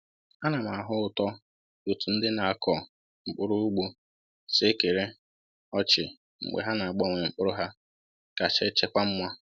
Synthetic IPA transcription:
ha˦na˨ma˨ɦʊ˦ʊ˨tɔ˦ | u˨tu˨n̩˦dɪ˦na˨a˨kʰɔ˨ | ŋ͡m̩˨k͡pʊ˦ɾʊ˦u˦ɡ͡bo˦ | se˦ke˨ɾe˦ | ɔ˦t͡ʃɪ˨ | ŋ͡m̩̰˨ɡ͡bḛ˨ɦa˦na˨a˨ɡ͡bɔ˦˨ŋʷe˨ŋ͡m̩˨k͡pʊ˦ɾʊ˦ɦa˦ | ka˨t͡ʃe˦t͡ʃe˦kʷa˦m̩˦mʷa˦

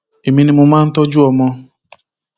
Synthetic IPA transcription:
e˨mi˦ni˦mʊ˦ma˦n̩˦tɔ˦d͡ʒu˦ɔ˨mɔ˦

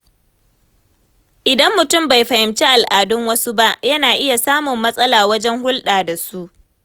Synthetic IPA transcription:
ʔɪ˨dɐ˦mːʊ˨tʊ˦˨mba˨jɸɐ˨hɪ˨mt͡ʃi˦ʔa˨lʔaː˨dʊ˦ŋwɐ˦su˦ba˦ʔjɐ˦naː˨ʔɪ˦ja˨saː˦mʊ˨mːɐ˦sʼɐ˦laː˨wɐ˦d͡ʒɛ˦ŋhʊ˦lɗaː˨da˨su˦ʔ

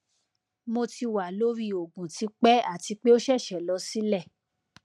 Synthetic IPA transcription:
mo˧ti˧wa˨lo˦ɾi˦o˨ɡũ˨ti˨˧k͡pɛ˦a˦˨ti˧k͡pe˦o˦ʃɛ˦˨ʃɛ˨lɔ˧˦si˦lɛ˦˨

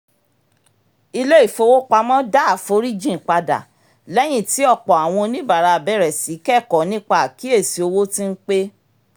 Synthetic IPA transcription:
i˧le˦i˦˨fo˧˦wo˦k͡pa˧mɔ̃˦da˦a˨fo˨˦ɾi˦d͡ʒĩ˦˨k͡pa˧da̰˨ | lɛ˦j̃ĩ˦˨ti˨˦ɔ˦˨k͡pɔ˨a˨w̃ɔ̃˧nĩ˦ba˨ɾa˧˨bɛ˦ɾɛ˨si˨˦kɛ˦˨kɔ˨nĩ˦k͡pa˦˨ki˨˦e˦˨si˨˧o˧wo˦tĩ˦n̩˦k͡pe˦

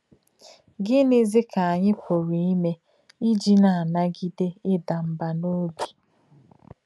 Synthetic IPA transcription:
ɡɪ˦nɪ˦zɪ˦kʰa˨a˨ɲɪ˦kʷo˨ɾe˨i˦me˦ | i˦d͡ʒi˦na˨a˨na˦ɡi˦de˦ɪ˦da˨m̩˨ba˨no˦bi̥˨

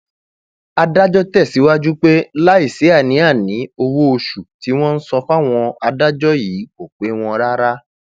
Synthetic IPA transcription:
a˧da˦d͡ʒɔ˦tɛ˦˨si˨˦wa˦d͡ʒu˦k͡pe˦la˦i˦˨se˨˦a˦˨nĩ˨˦a˦˨nĩ˨˦o˧wo˦o˧ʃu˨ti˨˦w̃ɔ̃˦n̩˦sɔ˧fa˦˨w̃ɔ̃˧a˧da˦d͡ʒɔ˦jiː˨˦ko˨k͡pe˨˦w̃ɔ̃˧ɾa˦ɾa˦

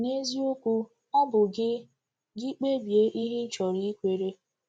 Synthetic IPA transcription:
ne˦zi˦o˦kʷu˦ | ɔ˦bʊ˨ɡɪ˦ | ɡɪ˦k͡pe˦bi˨e˦ʔi˦ɦɪ˦t͡ʃɔ˨ɾi˦i˦kʷe˨ɾe˦

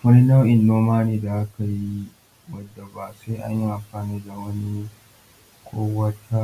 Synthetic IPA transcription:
wɐ˦ni˦na˦wʔɪ˨nːoː˦maː˦neː˦da˨ʔa˦ka˨ji˦ | wɐ˦dːa˨ba˨sa˦ʔa̰˦ɲji˦ʔa˨mɸaː˨niː˦da˨wɐ˦ni˦ | kʷʰoː˦wɐ˦tʰa˦

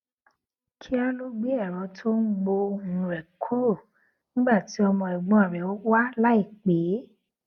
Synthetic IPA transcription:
kʰi˦a˧lo˦ɡ͡be˦ɛ˦˨ɾɔ̃˨˦tʰo˦n̩˦ɡ͡bo˧n̩˨ɾɛ˨kʰo˦˨ | nĩ˦ɡ͡ba˦˨ti˨˦ɔ˧mɔ̃˧ɛ˨ɡ͡bɔ̃˨˧a˨ɾɛ˨˦o˦wa˦la˦i˦˨k͡pe˨˦

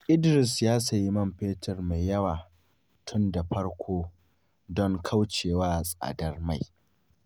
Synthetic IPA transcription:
ʔɪ˦dɾɪ˨sjaː˦sɐ˨ji˦mɐ˦mɸeː˦tʰɐ˨rma˨jːɐ˦waː˨ | tʰʊ˦nda˨ɸɐ˦ɽkʷʰoː˦ | dɔ˦ŋkʰa˦wt͡ʃeː˨waː˦˨sʼa̰ː˨dɐ˦rma˦˨j

